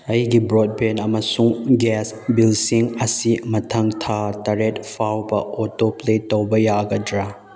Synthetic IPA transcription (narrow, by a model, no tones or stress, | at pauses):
ɐjɡibɾod̚benɐmɐsuŋɡɛsbilsiŋɐsimɐtʰɐŋtʰatɐɾetpʰawbɐ̰ɔtopletːowbɐjaɡɐdɾa